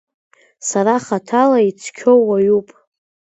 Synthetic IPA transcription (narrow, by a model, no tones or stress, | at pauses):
saɾaχatʰalait͡sʰkʲʰowajupʼ